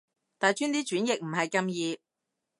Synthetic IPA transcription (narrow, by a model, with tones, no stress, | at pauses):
t̪aː˨˩jt͡ʃyː˥nt̪iː˥t͡ʃyː˨˥njɪ˨k̚m̩˨˩hɐ˨jkɐ˧mjiː˧